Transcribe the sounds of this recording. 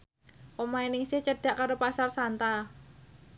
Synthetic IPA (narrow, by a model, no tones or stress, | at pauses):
ʔomainɪŋsɪht͡ʃəɖ̥a̤ʔkaɾopasarsant̪a